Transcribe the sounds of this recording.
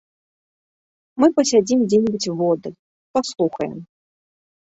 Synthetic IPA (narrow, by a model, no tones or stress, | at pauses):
mɨpɐsʲad͡zʲimd͡zʲenʲibɨt͡sʲvɔd̪ɨ | paslˠuxɐjɛ̰m